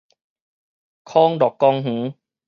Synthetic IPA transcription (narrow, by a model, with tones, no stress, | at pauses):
kʰɔː˧˥˩ŋdɔː˨˩kːɔ˧ŋɦũː˩˦